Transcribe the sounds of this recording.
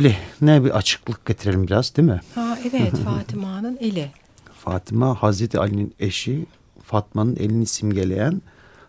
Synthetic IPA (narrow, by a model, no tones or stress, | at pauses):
lʲinɛbiʔat͡ʃʰɯ̥klˠɯk̚ɟ̥et̪ʰiɾe̞lʲimbiɾazd̪imɪhaevɛt̪faːt̪ʰimanɯnelʲɪ | faːt̪ʰimahazɾet̪ʰia̰lʲinineʃi | fat̪̚manɯnʔe̞̰lʲinisimɟe̞lʲe̞̰jæn